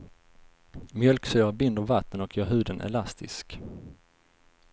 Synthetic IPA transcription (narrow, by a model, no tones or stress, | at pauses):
mjœlksøːʁəbɪnd̪əvat̪ːənɔkjœːɾɦʉ̟ːd̪ənɛ̰last̪ʰɪ̰sk